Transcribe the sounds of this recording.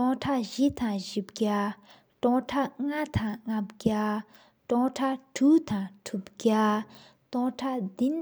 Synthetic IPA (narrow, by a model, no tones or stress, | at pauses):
ɔŋʈ͡ʂʰaʔʑiʔt̪aŋʑip̚ɡa | ʈ͡ʂɔŋʈ͡ʂʰaʔŋat̪ʰaŋŋapɡa | ʈ͡ʂɔŋʈ͡ʂʰaʈ͡ʂʰuːt̪aŋtʰup̚ɡa | t̪ɔŋʈ͡ʂʰaʔd̪in